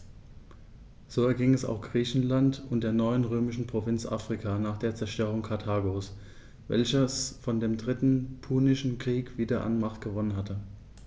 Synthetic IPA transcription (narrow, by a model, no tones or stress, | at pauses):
z̥oːɛɐɡɪŋɛsa̰ʊxɡ̥ʁiːçn̩lantʊnt̚d̥eːɐnɔʏənʁøːmɪʃn̩pʁ̥ovɪnt͡sʔa̰ːfʁ̥ɪkʰaːnaːχd̥eːɐt͡sɛɐʃtøːʁʊŋkʰaɐtʰaːɡos | vɛ̰lçɐsfɔndeːmdʁɪtn̩pʰuːnɪʃn̩kʁ̥iːkv̥iːdɐʔa̰nmaχtɡ̥əvɔnənɦatʰə